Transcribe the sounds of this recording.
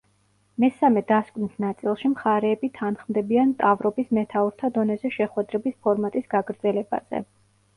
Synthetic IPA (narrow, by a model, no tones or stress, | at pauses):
mɛsamɛd̪askʼwnisnat̪sʼilˠʃimχaɾɛːbit̪ʰanχmd̪ɛbiant̪ʼavɾɔbismɛt̪ʰauɾt̪ʰad̪ɔnɛzɛʃɛχwɛd̪ɾɛbispʰɔɾmat̪ʼisɡ̥aɡɾd̪zɛlɛba̰z̥ɛ̰